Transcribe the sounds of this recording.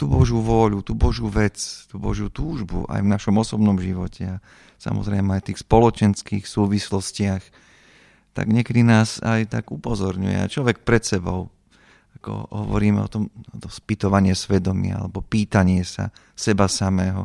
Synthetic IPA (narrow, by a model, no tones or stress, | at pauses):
t̪uːbɔʒuːʋʊɔʎut̪uːbɔʒjuːʋɛt͡st̪uːbɔ̰ʒjut̪uːʒbṵʔa̰jvnaʃɔmɔsɔbnɔmʒiʋɔcʰɛa | sa̰mɔ̰zɾɛɪmɛajt̪iːxspɔlɔt͡ʃɛnskiːxsuːʋislɔscɪax | t̪a̰ɡɲɪɛkɛd̪inaːzajt̪aɡupɔzɔɾɲṵjɛ̰a̰t͡ʃlɔʋɛk̚pɾɛt̪sɛbɔ̰ʊ | akɔ̰ɦɔʋɔ̰ɾiːmɛ̰ɔ̰t̪ɔmt̪ɔspit̪ɔʋaɲɪɛsʋɛd̪ɔmɪa̰a̰lɛbɔpiːt̪aɲɪɛsa̰ | sɛbasamɛːɦɔ